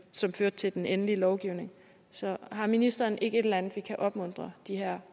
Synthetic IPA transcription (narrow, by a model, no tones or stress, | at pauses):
sɒ̽mføːɐ̥t͡sʰe̝ld̥enenəliəlɒʊɡ̥iʊne̝ŋ | sɒ̽ɦɑ̈minisd̥ɐnʔe̝ɡ̥əe̝ɾ̥elænð̩ˠʋikʰæʔɒ̽b̥mɔ̽n̰d̥ʁɐd̥iɦæɐ̰